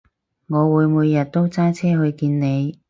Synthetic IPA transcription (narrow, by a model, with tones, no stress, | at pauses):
ŋɔː˨˧wuː˨˧jmuː˨˧jːɐ˨t̚t̪o˥wt͡saː˥jt͡sʰɛː˥ɦɵ˧ɥkiː˧nne˨˧j